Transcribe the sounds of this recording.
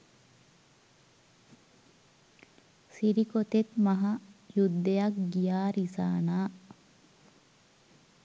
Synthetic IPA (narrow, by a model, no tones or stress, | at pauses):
siɾikot̪et̪mɐɦɐjud̪ːejakɡijaːɾisa̰ːnaː